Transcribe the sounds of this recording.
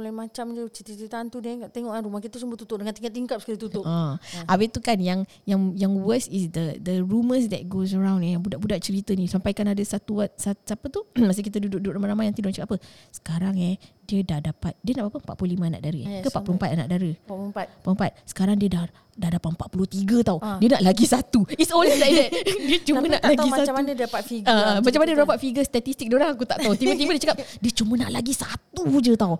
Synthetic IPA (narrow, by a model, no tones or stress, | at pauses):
olaimat͡ʃamd͡ʒət͡ʃət̪it͡ʃit̪ant̪udkaʔt̪eŋɔʔkanɾumahkit̪sumbət̪ut̪ʊʔ̚dəŋant̪iŋkat̪ːiŋkap̚səkiɾət̪ut̪ʊʔaʔawet̪ukanjaŋ | jaŋjaŋwəsisd̪əd̪əɾuməsd̪ɛ̰t̪̚ɡos̬əɾãw̃nɛjaŋbudaʔ̚budaʔ̚t͡ʃəɾit̪ənĩsampajkanadəsat̪uasasapət̪umas̬ikit̪ədudʊk̚dʊk̚namanamajaŋt̪idʊʔat͡ʃakʔapəsə̥kaɾaŋɛdiədahdapat̪̚diənaʔpapəmpat̪̚pululimãana̰ʔ̚daɾə̰kəpat̪̚pulompat̪̚ana̰ʔdaɾəat̪pulmpat̪̚sə̥kaɾaŋdiəda | dahdapat̪̚mpat̪̚pulut̪iɡət̪awdiənaʔlaɡisat̪uitsonliladɛt̪̚diət͡ʃumənaʔlaɡissanapat̪fiɡəmmat͡ʃamanəɾapat̪̚fiɡəst̪at̪ist̪ik̚dioɾaŋakut̪aʔt̪aut̪ibət̪imədiət͡ʃakap̚diət͡ʃumənaʔlaɡisat̪ud͡ʒət̪aw